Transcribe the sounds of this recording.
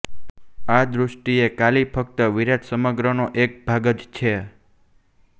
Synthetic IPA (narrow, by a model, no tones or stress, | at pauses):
ad̪ɾʊʂʈiekalipʰək̚t̪əʋiɾaʈ̪səməɡɾənoʔek̚bʱaɡəd͡ʒt͡ʃʰe